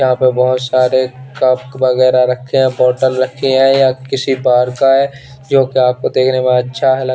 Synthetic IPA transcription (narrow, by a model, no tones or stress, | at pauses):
jɐɦãpebɐɦʊt̪saːɾekɐp̚ʋɐɣɛːɾaɾɐkʰːeɦɛ̃bɔːʈəlɾɐkʰːeɦɛ̃jakɪsibaːɾkaɦɛ | d͡ʒoːkeaːp̚kod̪eːkʰnemẽɐtːʃʰaɦɛlɐ